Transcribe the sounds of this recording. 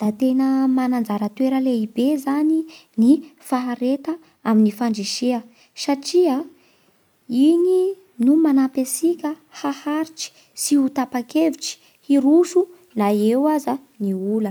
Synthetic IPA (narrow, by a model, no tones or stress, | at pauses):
d̪̥at̪enəmanand͡zaɾət̪weɾəleibezaninifaɦaɾet̪ə | aminifaɳɖ͡ʐiʃiə | saʈ͡ʂia | ini | numanapesikʲə | hahaɾiʈ͡ʂi̥ | siut̪apakeviʈ͡ʂi̥ | hiɾuʃu | naewaza | niulə